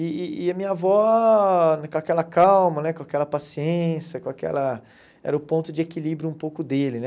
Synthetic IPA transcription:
ɪːɐmĩɲɐvɔ | kõakɛlɐkawmɐnɛkõakɛlɐpasiẽsjɐkõakɛ̰lɐ | ɛ̰ɾɐʊpõnt̪ʊd͡ʒɪekilibɾjʊũpowkʊd̪elɪnɛ

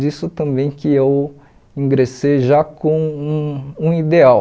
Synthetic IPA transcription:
d͡ʒisʊt̪ɐ̃mbẽj̃kɪew | ĩŋɡɾesejʒakõw̃ũũid̪eaw

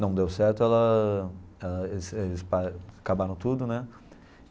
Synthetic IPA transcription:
nɐ̃w̃d̪ewsɛɾt̪ʊɛlɐ | ɛlɐeselɪspaakabaɾɐ̃w̃t̪ud̪ʊnɛ

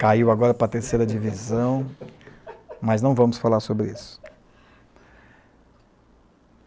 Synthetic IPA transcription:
kaiwaɡɔɾɐpɾɐt̪eɾsejɾɐd͡ʒivizɐ̃w̃ | mɐznɐ̃w̃vɐ̃mʊsfalaɾsobɾɪisʊ̥

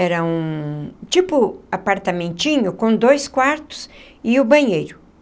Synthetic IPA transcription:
ɛɾɐũt͡ʃipʊapaɾt̪ɐmẽnt͡ʃĩɲʊkõd̪ojskwaɾt̪ʊ̥s | ɪʊbɐ̃ɲejɾʊ

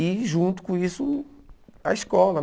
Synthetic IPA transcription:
iʒũnt̪u̥kõisu | a̰iʃkɔlˠɐn

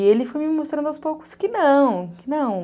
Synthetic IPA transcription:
elɪfojmɪmost̪ɾɐ̃nd̪awspowkʊ̥skɪnɐ̃w̃kɪnɐ̃w̃

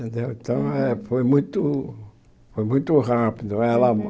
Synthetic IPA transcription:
d̪eut̪ãɛfojmũj̃t̪u | fojmũj̃t̪uhapid̪uɛla

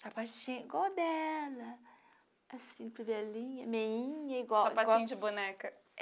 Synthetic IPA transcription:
sapat͡ʃĩiɡwawd̪ɛlɐ | asĩpivɛlĩɲɐmeĩɲɐiɡwawapaɡt͡ʃaĩɲd͡ʒɪbunɛkɐ

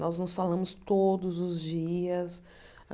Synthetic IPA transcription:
nɔznʊsfalɐ̃mʊst̪od̪ʊzʊzd͡ʒiɐs

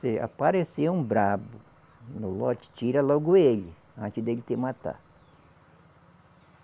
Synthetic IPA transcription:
ea̰paɾeseũbɾabʊ | nʊlɔt͡ʃɪ̥t͡ʃiɾɐlɔɡʊelɪ | ɐ̃nt͡ʃɪzd̪elɪt̪eɾmat̪a̰

